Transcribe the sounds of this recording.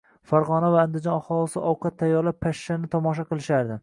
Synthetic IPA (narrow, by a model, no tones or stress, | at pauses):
faɾʁɒnavaːnd̪ɪd͡ʒɒnɒχɒlˠɪsɪʔɒwqʰɑt̪ʰːajːɒɾlappʰaʃːanɪt̪ʰɒmɒʃ̬aqɨlˠɪʃaɾd̪ɪ